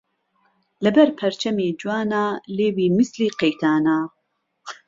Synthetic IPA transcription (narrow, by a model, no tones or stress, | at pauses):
lɐbɛɾpʰɐɾt͡ʃʰɐmiːd͡ʒuwaːnaːleːbiːmisliːqejt̪ʰaːnaː